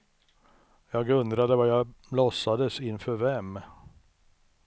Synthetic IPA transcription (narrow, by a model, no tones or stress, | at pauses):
jɑːɡɵnd̪ɾad̪əvajɑblɔsːad̪əsɪnfœɾvɛm